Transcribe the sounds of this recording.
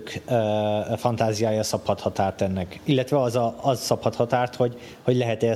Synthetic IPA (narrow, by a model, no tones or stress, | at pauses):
køfɒnt̪aːzijaːjɒsɒphɒt̪hɒt̪aːrt̪ɛnːɛkilːɛt̪ʋɛɒzɒɒzsɒphɒt̪hɒt̪aːrt̪hoɟ | ho̞ɟlɛɦɛt̪ɛ